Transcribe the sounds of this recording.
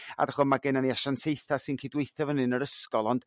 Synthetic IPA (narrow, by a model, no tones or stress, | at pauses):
a̰daχɔmaɡɛnaniaʃantʰejθasɨnkʰiːdwejθavənɨnəɾəskɔlˠɔnd̥